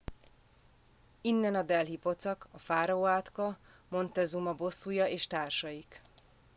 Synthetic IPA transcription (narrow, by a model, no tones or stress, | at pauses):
inːɛnɒd̪ɛlɦipo̞t̪sɒkɒfaːɾɒoːaːt̪kɒmo̞nt̪ɛzumɒbo̞sːujɒeːʃt̪aːrʃɒjik